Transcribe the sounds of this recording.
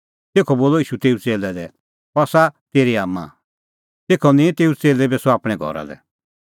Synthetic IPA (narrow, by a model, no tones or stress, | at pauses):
t̪eːkʰɔboːlɔiːʃut̪eːut͡seːlɛd̪ɛ | ɔsat̪eːɾiaːmːã̰ | t̪eːkʰɔnĩt̪eːut͡seːlɛbɛsɔaːpɽ̃ɛɡʱɔ̰ɾa̰d̪ɛ̰